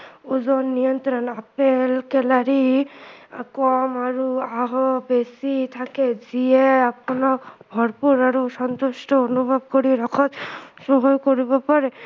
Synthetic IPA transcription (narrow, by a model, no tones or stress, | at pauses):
uzɔnːijɔnt̪ɾɔnapelkɛlaɾi | a̰kɔmaɾuaɦɔbesit̪ʰakezieapɔnɔbʱɔɹpuɾaɾusɔnt̪usʈɔonubʱɔb̚koɾiɾɔkʰɔt̪soɦojkoɾibɔpaɾe